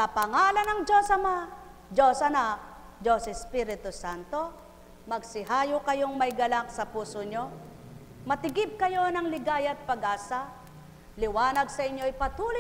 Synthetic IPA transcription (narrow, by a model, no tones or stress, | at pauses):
kɐpɐŋaːlɐnɐŋd͡ʒosɐma | d͡ʒosɐna | d͡ʒosɛspiɾɪt̪ʊsant̪o | mɐɡ̚sɪɦaːjʊkɐjoŋmɐjɡɐlaŋsɐpuːsoɲo | mɐt̪ɪɡɪb̚kɐjo̞nɐŋlɪɡaːjɐt̪̚pɐɡaːsa | lɪwaːnɐɡ̚sɐʔɪɲjoɪpɐt̪uːlɪ